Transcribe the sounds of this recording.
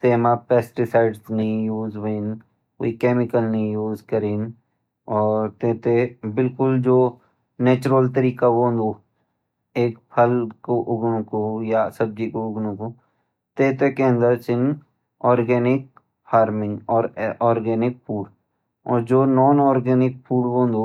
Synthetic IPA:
t̪eːmapɛːsʈɪsaːɪɖsnɐɦĩjuːzʋein | ko̰ːikeːmɪkəlnɐɦĩjuːzkəɾin | ɔːɾt̪eːt̪ebɪlkʊld͡ʒoː | neːt͡ʃʊɾəlt̪əɾiːkaʋõnd̪o | eːkpʰɐlkoʔʊɡnõkojasɐb̚d͡ʒikoʊɡnõko | t̪eːt̪ekeə̃nd̪əɾt͡ʃɪn | ɔːɾɡɛːnɪk̚ | haːɾmɪ̃ŋɡɔːɾɔːɾɡɛːnɪk̚pʰuːɽ | ɔːɾd͡ʒoːnɔːnɔːɾɡɛːnɪk̚pʰuːɽʋoːnd̪oː

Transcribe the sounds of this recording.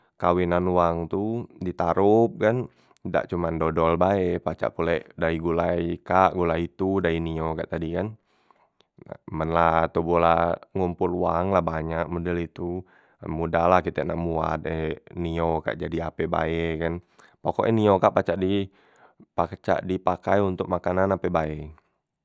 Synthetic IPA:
kawinanuwaŋt̪udit̪aɾup̚kan | da̰ʔt͡ʃumandodɔlbaɛpat͡ʃa̰ʔpulɛʔdaiɡulaikaʔɡulait̪udainiokaʔt̪adikan | a̰mənlat̪ubolaŋumpʊlwaŋlahbaɲak̚modɛlit̪u | mudalahkit̪ɛnaʔmua̰t̪̚ɛnioka̰ʔd͡ʒadiapɛba̰ɛkan | pokɔʔɛniokaʔpat͡ʃaʔdi | pat͡ʃa̰ʔdipakajunt̪ʊ̰k̚makananapɛbaɛ

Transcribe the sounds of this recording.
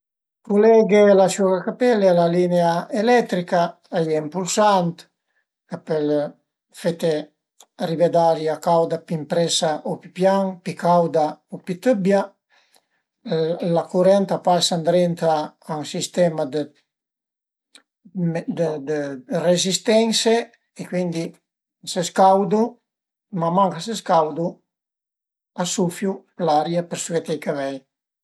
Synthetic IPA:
kulɛɡelasuɾakapɛlealalineaelɛt̪ɾika | ajɛimpulsant̪ | kapəl | fet̪e | ribed̪aɾjakawd̪apimpɾɛsaʔopi̥pjaŋpikawd̪aopit̪əbja | lakuɾɛnt̪apasand̪ɾent̪aːŋsist̪ɛmad̪ə | md̪əd̪ərezist̪ɛnse | ekwind̪i | seskawd̪u | mamaŋkaseskawd̪u | asufjulaɾjapəɾsuɛt̪ejkavɛj

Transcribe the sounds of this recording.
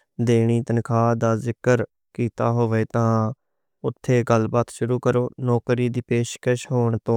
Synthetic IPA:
d̪eːɳ̃iːt̪ənkʰaːd̪aːzɪkəɾ | kiːt̪aːɦoːʋeːt̪ãː | ʊt̪ʰːeːɡəlbaːt̪ʃʊɾuːkəɾoːnɔːkɾiːd̪iːpeːʃkəʃɦoːɳt̪õː

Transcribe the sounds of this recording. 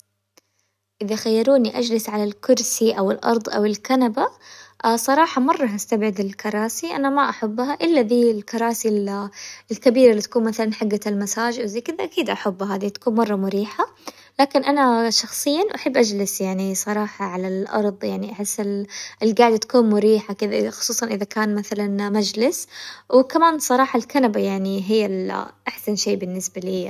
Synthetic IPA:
ʔɪðaxajːɑɾˤuːniʔad͡ʒlɪsʕalalkʊɾsiʔawɪlʔɑ̰ɾˤd̪ˤʔa̰wɪlkanabaʔasˤɑɾˤɑːħɑmɑrˤːɑɦast̪abʕɪd̪ɪlkɑɾˤɑːsiʔa̰namaʔaħabːhaʔɪlːaðiːlkɑɾˤɑːsilɪlkabiːɾalːit̪ḁkuːnmaθalanħaɡːalmasaːd͡ʒʔawzajkɪd̪aʔakiːd̪ʔaħabːɦaːðit̪ḁkuːnmɑrˤːɑmʊɾiːħa | laːkɪnʔanaʃɑxsˤɨjːanwʔaħabːʔad͡ʒlɪsjaʕnisˤɑɾˤɑːħɑʕalalʔɑ̰ɾˤðˤjaʕniʔaħɪsːɪlʔɪlɡaːʕɪd̪t̪ḁkuːnmʊɾiːħakɪd̪aʔxʊ̥sˤuːsˤɑnʔɪðakaːnmaθalanmad͡ʒlɪswkamaːnsˤɑɾˤɑːħɑlkanabajaʕniɦɪjːalʔaħsanʃeːbɪnːɪsbaliː

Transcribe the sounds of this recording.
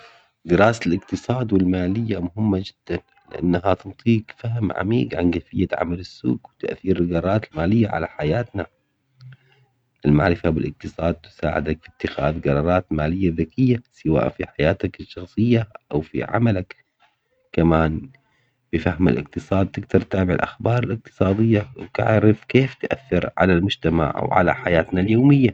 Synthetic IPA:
d̪ɪɾɑːsalɪqt̪ɨsˤɑːd̪wɪlmaːlɪjːamʊhɪmːad͡ʒɪd̪̥ːan | lɪʔa̰nːaɦat̪ɨnt̪ˤiːkfaɦmʕa̰mḭːɡʕa̰nɡafɪjːaʕa̰malɪsːṵːɡwɪt̪a̰ʔθiːɾɪlɡɑɾˤɑːɾˤɑːt̪almaːlɪjːaʕa̰la̰ħajaːt̪na | ʔɪlma̰ʕɾɪfabɪlʔɪq̚t̪ɨsˤɑːd̪̚t̪ʊ̥sa̰ːʕɪ̰d̪akfit̪ːɪxa̰ːðɡɑɾˤɑːɾˤɑːt̪maːlɪjːaðakɪjːasɪwa̰ːʔfiħajaːt̪akɪʃːɑxsˤɨjːaʔawfḭʕa̰malak | kːamaːn | b̥ɪfahma̰lʔɪ̰q̚t̪ɨsˤɑːd̪̚t̪ɪɡd̪ɑɾˤt̪aːbɪʕɪ̰lʔa̰xbɑːɾˤɪlɪq̚t̪ɨ̥sˤɑːd̪ɪjːawt̪a̰ʕɾɪfkeːft̪ʔa̰θːɪɾʕa̰lalmʊd͡ʒt̪ama̰ʕ̰wʕa̰la̰ħajaːt̪naljoːmɪjːa

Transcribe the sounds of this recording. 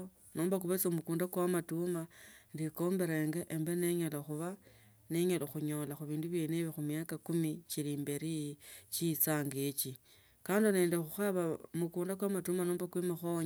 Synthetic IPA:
nʔoːmbakuβet͡somukuːndakwamatumandiko̞mbe̞ɾeːŋɡeʔembe̞neɲoloxuβa | ne̞ɲoloxuɲo̞laxuβiːnduβjeːneβixumiakakumit͡ʃiliːmbeɾit͡ʃit͡saːŋɡet͡ʃi | kaːndone̞ːndexuxaβamukuːndakwamatumanoːmbakwimaxoɲ

